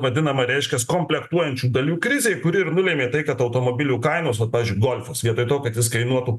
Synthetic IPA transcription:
ʋɐd̪ʲɪnɐmɐɾʲɛɪʃʲkʲɛskoːmʲpʲlʲɛkt̪uɔjɛnʲt͡ʃʲuːd̪ɐlʲuːkɾʲɪzʲeːɪkʊɾʲɪɪɾnʊlʲeːmʲeːt̪ɐɪkɐt̪ɐʊt̪oːmoːbʲɪlʲuːkɐɪnoːs̬ʋɐt̪̚pɑːʋʲɪzʲd͡ʒʲʊɪɡoːlʲfɐsʋʲiɛt̪oɪt̪oːkɐt̪jɪskɐɪnuɔt̪uː

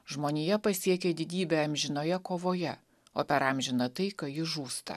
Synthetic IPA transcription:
ʒmoːnʲeːjɛpɐsʲiɛkʲed̪ʲɪd̪ʲiːbʲeːɐmʲʒʲɪnoːjɛkoːʋoːjɛ | oːpʲɛɾɑmʲʒʲɪnɐt̪ɐɪkɐjɪʒuːst̪ɐ̰

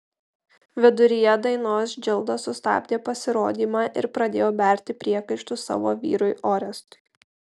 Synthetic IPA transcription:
ʋʲɪd̪ʊɾʲijɛd̪ɐɪnoːsd͡ʒʲɪlˠd̪ɐsʊst̪ɑ̰ːbʲd̪ʲeːpɐsʲɪɾoːd̪ʲiːmɑːʔɪ̰ɾpɾɐd̪ʲeːjoːbʲæˑɾʲt̪ʲɪpʲɾʲiɛkɐɪʃt̪ʊsɑ̰ːʋoːʋʲḭːɾʊɪʔɔːɾʲɛst̪ʊ̥ɪ

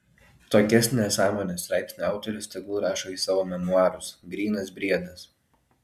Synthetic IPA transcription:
t̪oːkʲɛsʲnʲesɑːmoːnʲesɾɑˑɪpʲsʲnʲɑˑʊt̪ʲolʲʊsʲt̪ʲɛɡuːɾɑːʃoːiːsɑːʋoːmʲɛnʊɑːɾʊsɡɾʲiːnɐsbʲɾʲiɛd̪ɐs

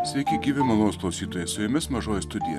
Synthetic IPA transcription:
sʲʋʲɛɪkʲɪɡʲiːʋʲɪmɐnoːsklˠɐʊsʲiːt̪oːjɛssʊjʊmʲɪsmɐʒoːjɛst̪ʊd̪ʲɪjɛ̰

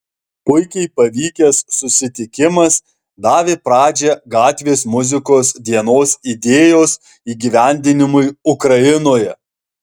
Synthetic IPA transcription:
pʊɪkʲɛɪpɐʋʲiːkʲɛsːʊsʲɪt̪ʲɪkʲɪmɐs | d̪ɑːʋʲepɾɑːd͡ʒʲɛɡɑːt̪ʲʋʲeːsmʊzʲɪkoːsd̪ʲiɛnoːsid̪ʲeːjoːs | iːɡʲiʋʲæˑnʲd̪ʲɪnʲɪmʊɪʊkɾɐɪnoːjɛ

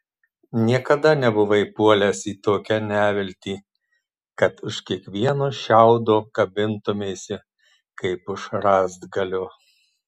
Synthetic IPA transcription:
nʲiɛkɐd̪ɐnʲɛbʊʋɐɪpuɔlʲɛsiːt̪oːkʲɛnʲæːʋʲɪlʲt̪ʲiː | kɐt̪ʊʃkʲiɛkʋʲiɛnoːʃʲæʊd̪oːkɐbʲɪnt̪ʊmʲeːsʲɪ | kɐɪpʊʃɾɑːzd̪ɡɐlʲʊː

